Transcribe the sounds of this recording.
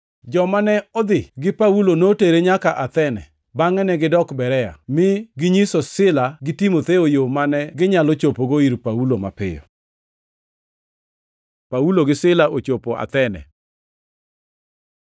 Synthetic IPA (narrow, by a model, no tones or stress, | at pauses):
d͡ʒɔmanɛɔd̪ɪɡɪpaulonoteɾeɲakaʔat̪ɛnɛ̰ | baŋɛnɛɡɪdɔkbɛɾɛa̰mɪɡɪɲisosɪlaɡɪtimot̪eojomanɛɡɪɲalot͡ʃopoɡoiɾpauloma̰pɪ̰jɔ̰ | pauloɡɪsɪlaʔot͡ʃopoʔa̰t̪ɛnɛ̰